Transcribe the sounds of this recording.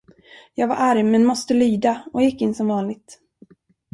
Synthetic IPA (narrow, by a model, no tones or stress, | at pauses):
jɑːɡva̰ɾʔaɾmːɛnmɔst̪əlyːd̪aɔjɪkːɪnːsɔmvɑːnlɪɡ̚t̪